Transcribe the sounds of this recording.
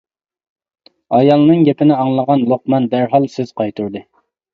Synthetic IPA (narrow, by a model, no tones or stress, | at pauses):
ɑjɑlˠnɨŋɡʲɛpɪnɪɑŋlˠəʁɑnlˠoq̚mɑnb̪æɾɦɑlˠsøz̥qɑjt̪ʰuɾd̪ɨ